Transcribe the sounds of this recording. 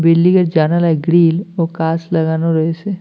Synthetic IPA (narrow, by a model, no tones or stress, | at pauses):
bɪlːikəɾd͡ʒanalɛɡɾiːlokaːslɐɡaːnoɾəɦese